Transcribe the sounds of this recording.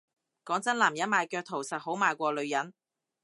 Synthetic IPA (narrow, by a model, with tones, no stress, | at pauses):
kɔː˨˥ŋt͡sɐ˨˥nlaː˨˩mjɐ˨˥nmaː˨˧jkœː˧k̚t̪ʰo˨˩wsɐ˨t̚ho˨˥wmaː˨˧jkʷɔː˧lɵ˨˧ɥjɐ˨˥n